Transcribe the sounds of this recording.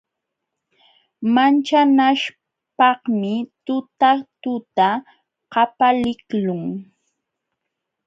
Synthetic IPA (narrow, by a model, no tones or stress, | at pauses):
mant͡ʃanaʃ | pɑhmɪt̪ʊt̪at̪ʊt̪a | qɑpalɪklʊŋ